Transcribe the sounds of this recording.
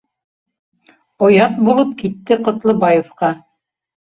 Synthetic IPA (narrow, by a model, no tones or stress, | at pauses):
ŏjɑt̪̚bulˠɤp̚kit̪ːɘqŏt̪lˠɤbɑjĕfqɑ